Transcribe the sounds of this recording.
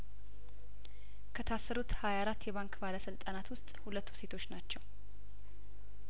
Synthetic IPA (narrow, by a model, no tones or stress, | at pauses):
kʰət̪ʰasːəɾut̪hajaːɾat̪ːjɛβaŋkʼbaləsɨlt̪ʼanat̪wʊst̪ʼhulət̪ːu̥se̞t̪ʰo̞t͡ʃːnat͡ʃːɛw